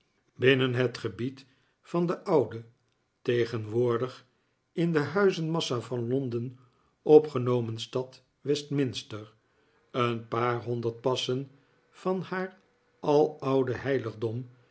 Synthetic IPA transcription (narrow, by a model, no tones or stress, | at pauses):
bɪnənɦətχəbit | fɑndəʔʌwdə | tejχənʋʊːɹdəχ | ɪndəɦœɥzənmɑsafɑnlɔndən | ɔpχənowmənstɑt | ʋɛstmɪnstəɹ | ənpaːɹɦɔndəɹt̚pɑsən | fɑnhaːr | ʔɑlˠʌwdəɦɛjləχdɔm